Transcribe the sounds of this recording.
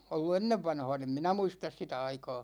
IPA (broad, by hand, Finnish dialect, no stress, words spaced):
olːu enːeʋːɑnhɑ̝ːn em minæ muistɑs sitæ ɑikɑː